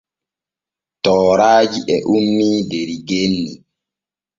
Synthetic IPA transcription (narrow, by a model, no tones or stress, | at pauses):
tɔːɾaːd͡ʒiʔɛʔumːiːdeɾiɡenːi